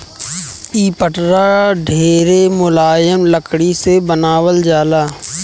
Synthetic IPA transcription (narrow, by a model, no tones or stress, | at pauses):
iːpəʈɾaɖʱeːɾemʊlaːjəmləkɽisebənaːwəld͡ʒaːlaː